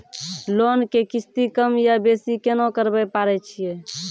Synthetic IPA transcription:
lonkekisʰt̪ikəmjabesikenokəɾbɛpaɾɛt͡ʃʰije

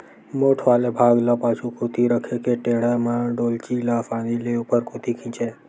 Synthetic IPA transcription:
moʈʰʋalebʱaɡləpat͡ʃʰũkʰut̪iɾəkʰekeʈeɽamãɖolt͡ʃilafanileupəɾkut̪ikʰĩt͡ʃe

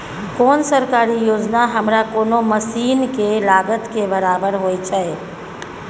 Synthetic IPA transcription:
koːnsəɾkaːɾijoːd͡ʒnaɦəmɾakoːnoməsiːnkelaːɡət̪kebəɾaːbəɾɦoːit͡ʃʰaɛ

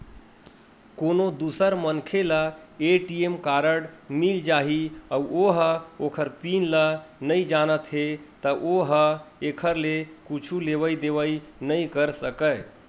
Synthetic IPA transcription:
konod̪usəɾmənkʰelaeʈiemkaɾəɽmild͡ʒaɦiauʔoɦəokʰəɾpinlənəjd͡ʒanət̪ɦet̪əʔoɦəekʰəɾlekut͡ʃʰuleβəjd̪eʋəjnəjkəɾsəkəj

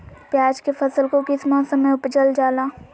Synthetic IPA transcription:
pjaːd͡ʒkefʰɐsəlkokɪsmãːsə̃mẽʊpt͡ʃəld͡ʒaːlaː

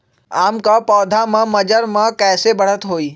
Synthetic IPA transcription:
aːmkapɔːd̪ʱamãməd͡ʒəɾmãkɛːsebəɽ̤ət̪ɦoːiː

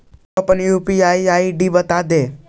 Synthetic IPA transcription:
opənjuːpiaːiaːiɖibət̪aːd̪e

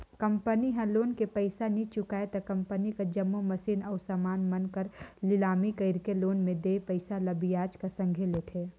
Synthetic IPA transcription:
kəmpəniɦə̃loːnkepəɪsanĩt͡ʃʊkaːet̪ɐkɐ̃mpənikad͡ʒɐmːomɐsiːnɔːsamaːnmɐnkəɾlɪlaːmikəɪɾkeloːnmẽd̪eːpəɪsalɐbijaːd͡ʒkasɐ̃ŋɡʱelet̪ʰeː

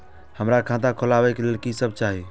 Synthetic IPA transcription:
həmɾakʰãd̪akʰolabɛkelelkisəb̚t͡ʃaɦi

